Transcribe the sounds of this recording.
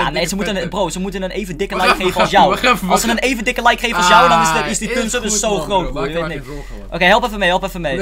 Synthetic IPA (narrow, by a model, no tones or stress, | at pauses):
ja̰nejsəmutənəbrowsəmutənəneːvəndɪkəlɛjkkχejvəɔsjaɔwɔlˠsənənejvəndɪkəlɛjkχejvəɔlˠsjɐwdɔnɪsɪsdipønsədəssowχrowtʋoːjəʋeːt̚nɪt | ʔokejɦɛlˠpɛfəmeɦɛlˠpɛfəmej